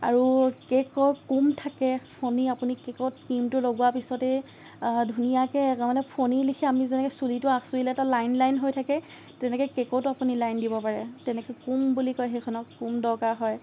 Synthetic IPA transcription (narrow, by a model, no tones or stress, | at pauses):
a̰ɹukɛkɔjkumtʰakɛpʰoniapunikɛkɔt̚kimtʊloɡʊwapisɔtɛ | dʱunijakɛɛkamalɛpʰonilikʰɛamizɛnɛkɔjsulitʊasuilɛɛtalajnlajnɦojtʰakɛ | tɛnɛkɔjkɛkɔwtʊapunilajndibɔpaɹɛtɛnɛkɔjkumbulikɔjɦekʰɔnɔkːumdɔɹkaɹɦɔj